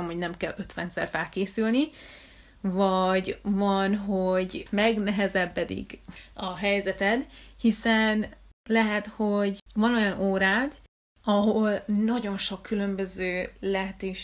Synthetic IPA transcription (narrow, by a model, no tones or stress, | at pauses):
ɛmho̞ɟnɛmkɛlø̞t̪ʋɛnzɛ̰rfɛlkeːsylni | vɒɟvɒnɦo̞ɟmɛɡnɛɦɛzɛbːɛd̪ḭɡɒɦɛjzɛt̪ɛd̪hisɛnlɛɦɛt̪ho̞ɟvɒnojɒnoːɾaːd̪ | ɒɦolnɒɟo̞nʃo̞kːylø̞mbø̞zøːlɛɦɛt̪eːʃ